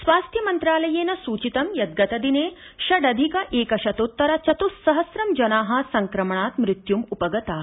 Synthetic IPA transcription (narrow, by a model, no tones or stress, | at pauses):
sʋaːst̪ʰjɐmɐnt̪ɾaːlɐjeːnɐsuːt͡ʃit̪ɐmjɐd̪̚ɡɐt̪ɐd̪ineː | ʃɐɖɐd̪ʱikɐʔeːkɐʃɐt̪ut̪ːɐɾɐt͡ʃɐt̪usɐɦɐsɾɐmd͡ʒɐnaːɦɐ̆sɐŋkɾɐmɐɳaːt̪mɾɪt̪jumupɐɡɐt̪aː